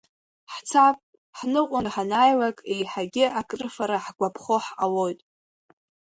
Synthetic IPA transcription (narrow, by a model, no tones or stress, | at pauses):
ħt͡sʰapʼ | ħnɨqʷʼaħanajlakʼejħaɡʲɪakʼrɨfaɾaħɡʷapʰχoħalo̞jtʼ